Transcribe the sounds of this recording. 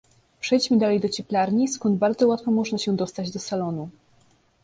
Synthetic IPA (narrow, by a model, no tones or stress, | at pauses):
pʂɛjt͡ɕmɘd̪alɛjd̪ɔt͡ɕɛplaɾɲiskɔnd̪̚baɾd̪zɔwat̪fɔmɔʐnaɕɛd̪ɔst̪ad͡ʑd̪ɔsalɔnu